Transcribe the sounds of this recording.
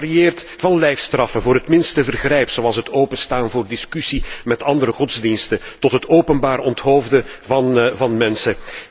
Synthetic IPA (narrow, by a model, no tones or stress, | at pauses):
rieːrtvɑnlɛjfstrɑfənvoːɾɦətmɪnstəvərɣrɛjpsowɑlˠsɦətoːpəstaːnvoːrdɪskysimɛtɑndəɾəxɔdzdinstətɔtɦətoːpənbaːɾɔntɦoːvdəvɑnvɑnmɛnsə